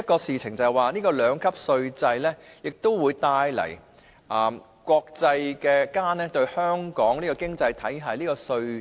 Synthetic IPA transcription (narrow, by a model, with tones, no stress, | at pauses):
ɐ˥t̚kɔː˧siː˨˧t͡sʰɪ˨˩ŋt͡sɐ˨ɛ˨waː˨˧niː˥kɔː˧lœː˨˧ŋkʰɐ˥p̚sɵ˧ɥt͡sɐ˧jlɛː˥jɪ˨k̚t̪o˥wwuː˨˧jt̪aː˧jlɐ̰˨˩j | ʔɐː˨˩m | kʷwɔː˧k̚t͡sɐ˧jkɛː˧kaː˥nɛː˥t̪ɵ˧ɥhœː˥ŋkɔː˨˥ŋliː˥kɔ˧kɪ˥ŋt͡sɐ˧jt̪ʰɐ˨˥jɦaː˨jliː˥kɔː˧sɵ˧ɥ